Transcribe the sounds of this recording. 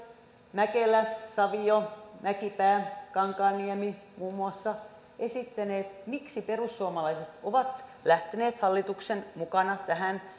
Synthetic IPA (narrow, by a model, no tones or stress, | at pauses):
mækelæsɑʋiomækipæːkɑŋkɑːnːiemi | muːmːuɑsːɑ | esit̪ːæneːt̪miksiperusːuomɑlɑiset̪oʋɑt̪læht̪eneːt̪hɑlːit̪uksenmukɑnɑt̪æhæn